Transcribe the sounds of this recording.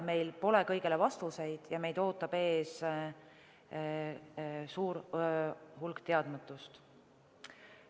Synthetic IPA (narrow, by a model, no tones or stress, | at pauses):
me̞jlpo̞lekɤjɡ̥ele̞vɑst̪use̞jd̪̥jɑme̞jd̪o̞ːt̪ːˑɑb̥e̞ːs | suːɾ | hulɡ̥t̪e̞ɑd̪̥mɑt̪ːˑust̪